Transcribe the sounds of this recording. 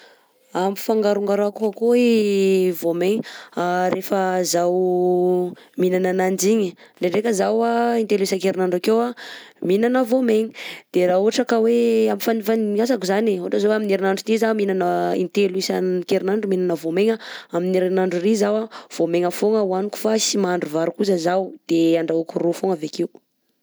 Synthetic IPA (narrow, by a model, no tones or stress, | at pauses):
amifaŋɡaɾuŋɡaɾakuakoivomeɲaɾefəzaw | minananand͡ʒiɲəɖ͡ʐeɖ͡ʐekʲəzawaint̪eluisakeɾinaɳɖ͡ʐakewaminanəvomeɲi̥d̪̥eɾauɦaʈ͡ʂakaweamifanifaniasakuzaneuaʈ͡ʂəzaweamineɾinaɳɖ͡ʐut̪izaminanəḭnt̪eluisakeɾinaɳɖ͡ʐuminanəvomeŋaamineɾinaɳɖ͡ʐurizawav̥omeŋəfoŋəwanuku̥fasimaaɳɖ͡ʐuvaɾukuzəzawd̪̥eaɳɖ͡ʐaokurofoŋavekew